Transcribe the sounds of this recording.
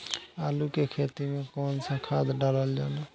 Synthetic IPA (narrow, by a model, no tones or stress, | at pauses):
aːlukekʰet̪imẽkɔnsə̃kʰad̪ɖaləld͡ʒaːna